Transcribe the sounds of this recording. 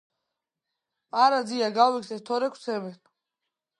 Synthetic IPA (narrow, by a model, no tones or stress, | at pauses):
aɾad̪ziaɡawiksɛt̪ʰɔɾɛkʰsʰɛbɛn